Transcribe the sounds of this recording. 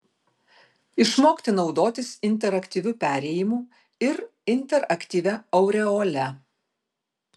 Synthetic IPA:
ɪʃmoːkʲt̪ʲɪnɒʊd̪oːt̪ʲɪsɪnʲt̪ʲɛɾɐkʲt̪ʲiːʋʲʊpʲæːɾʲɛjɪmuː | ɪɾ | ɪnʲˑt̪ʲɛɾɐkʲt̪ʲiːʋʲɛɐʊɾʲɛɔːlʲɛ

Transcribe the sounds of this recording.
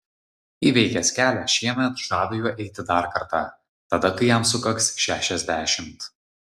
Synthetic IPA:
iːʋʲɛɪkʲɛsʲkʲæːlʲæʃʲiɛmʲɛt̪ʒɑːd̪ojuːʔɛɪt̪ʲɪd̪ɐˑɾkɐɾt̪ɑ | t̪ɐd̪ɐkɐɪjɛmsʊkɐksʃʲæːʃʲɛzʲd̪ʲæːʃʲɪmt̪

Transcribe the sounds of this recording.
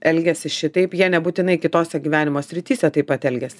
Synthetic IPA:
ɛlʲɡʲɛsʲɪʃʲɪt̪ɐɪpjiɛnʲɛbuːt̪ʲɪnɐɪkʲɪt̪oːsʲɛɡʲiːʋʲæːnʲɪmoːsʲɾʲɪt̪ʲiːsʲɛt̪ɐɪpɐt̪ɛlʲɡʲɛsʲɪ

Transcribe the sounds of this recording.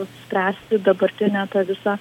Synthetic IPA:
sʲpʲɾʲæːsʲt̪ʲɪd̪ɐbɐɾʲt̪ʲɪnʲæt̪ɑːʋʲɪsɑː

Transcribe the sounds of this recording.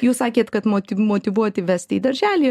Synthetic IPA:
juːssɑːkʲeːt̪kɐt̪moːt̪ʲɪmoːt̪ʲiʋuɔt̪ʲɪʋʲæsʲt̪ʲid̪ɐɾʲʒʲæːlʲiː

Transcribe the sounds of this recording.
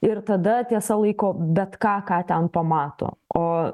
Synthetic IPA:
ɪɾt̪ɐd̪ɐt̪ʲiɛsɐlˠɐɪkoːbʲɛt̪kɑːkɑːt̪ʲɛnpɐmɑːt̪o̰ːoː

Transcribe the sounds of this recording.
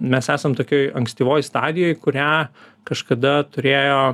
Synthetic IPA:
mʲɛsæːsɐmt̪oːkʲoːjɐŋksʲt̪ʲiːʋoːjst̪ɑːd̪ʲɪjoːjkʊɾʲæːkɐʃkɐd̪ɐt̪ʊɾʲeːjoː

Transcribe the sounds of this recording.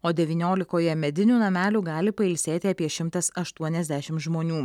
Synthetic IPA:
oːd̪ʲɛʋʲiːnʲoːlʲɪkoːjɛmʲɛd̪ʲɪnʲuːnɐmʲæːlʲuːɡɑːlʲɪpɐɪlʲsʲeːt̪ʲɪɐpʲiɛʃʲɪmt̪ɐsɐʃt̪uɔnʲɛzʲd̪ʲæʃʲɪmt̪ʒmoːnʲuː

